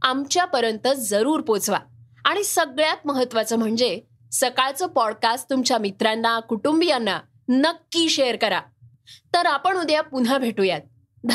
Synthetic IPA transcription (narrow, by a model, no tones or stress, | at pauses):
amt͡ɕjapəɾjənt̪ət͡sd͡zəɾuːɾpot͡sʋa̰ | aɽ̃isəɡɭjat̪̚məɦət̪ːʋat͡səːm̤əɳd͡ze | səkaɭt͡səːpɔɽkasʈt̪umt͡ɕjamit̪ɾanːakuʈumbijanːa | nəkːiːɕeəɾkəɾa | t̪əɾapəɳud̪japun̤abʱeʈujat̪̚ | d̪ʱ